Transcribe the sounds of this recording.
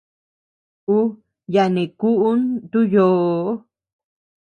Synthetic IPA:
u˦ | ja˧nẽ˨ku˦ʔu˦nt̪u˦joː˨˦

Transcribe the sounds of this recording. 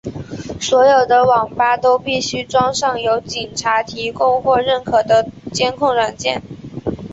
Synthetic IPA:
swɔ˧˥jo˨˩ʊd̪ə˦wɑ˨˩ŋpa˥t̪o˥ʊpi˥˩ɕy˥ʈ͡ʂwɑ˥ŋʂɑ˥˩ŋjo˧˥ʊt͡ɕi˨˩nʈ͡ʂʰa˧˥t̪ʰi˧˥kʊ˥ŋxwɔ˥˧ɻə˥˩nkʰɤ˨˩d̪ə˦t͡ɕjɛ˥nkʰʊ˥˩ŋɻa˨˩nt͡ɕjɛ̰˥˩n

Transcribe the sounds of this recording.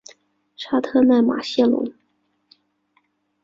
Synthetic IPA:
ʈ͡ʂʰa˥t̪ʰɤ˥˧na˥˩ɪma̰˨˩ɕɛ˥˩lʊ̰˧˥ŋ

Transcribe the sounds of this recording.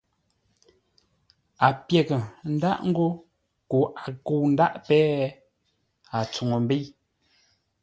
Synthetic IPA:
a˨pje˨ɣə˨n̩˦da˦ʔŋ̩˦ɡo˦ | ko˨ʔa˨ko˨wn̩˦da˦ʔpɛː˦ | a˨t͡su˨ŋo˨m˦be˦

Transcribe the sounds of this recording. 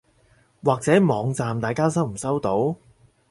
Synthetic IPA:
waː˨k̚t͡sɛː˨˥mɔː˨˧ŋt͡saː˨mt̪aː˨jkaː˥sɐ˥wm̩˨˩sɐ˥wt̪o˨˥w

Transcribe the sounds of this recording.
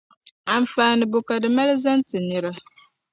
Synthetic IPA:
a˨ɱ̩˨faː˨nɨ˨bʊ˨ka˨dɨ˨ma˦lɨ˦za˦n˦tɨ˨nɨ˨ɾa˦

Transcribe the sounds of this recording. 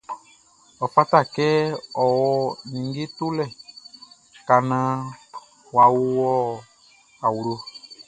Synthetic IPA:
ɔ˨fa˦ta˦˨kɛ˦ɔ˨wɔ˦nĩ˨ŋɡe˦tu˦lɛ˦˨ | ka˨nã˦ | wa˨wu˦wɔ˦ | a˨wu˨ɾo˧

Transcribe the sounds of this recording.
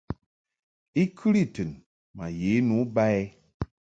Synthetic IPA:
i˦kʰɨ˦ɾi˦˨tɨ˨n | ma˨je˨˦nu˨˦ba˦e˦

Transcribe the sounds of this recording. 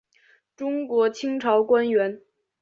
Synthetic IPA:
ʈ͡ʂʊ˥ŋkwɔ˧˥t͡ɕʰi˥ŋʈ͡ʂʰɑ˧˥ʊkwa˥nɥɛ˧˥n

